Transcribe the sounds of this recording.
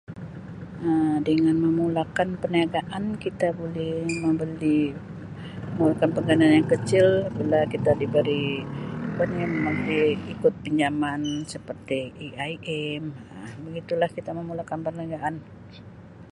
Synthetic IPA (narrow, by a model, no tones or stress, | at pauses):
ədəŋanməmulakanpərniaɡaʔankit̪abolɛhməmbəli | əmulakanpəŋɡananjaŋkət͡ʃɪlbilakit̪adibəɾi | kanaməməbəliikʊt̪̚pəɲd͡ʒamansəpərt̪iiʔaiʔɛməbəɡit̪ulahkit̪aməmulakanpərniaɡaʔan